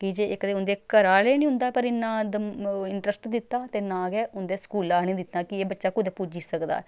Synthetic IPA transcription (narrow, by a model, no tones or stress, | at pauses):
kɪd͡ʒeːɪkd̪eːʊnd̪eːkəɾaːleːnĩːɦʊ̃nd̪aːpəɾɪnːãːd̪əɪɳʈɾəsʈd̪ɪt̪ːaːt̪eːnãːɡɛːʊnd̪eːskuːlaːnĩːd̪ɪt̪naːkɪeːbətːʃaːkʊd̪ɛːpud͡ʒisəkd̪a̰ːɛ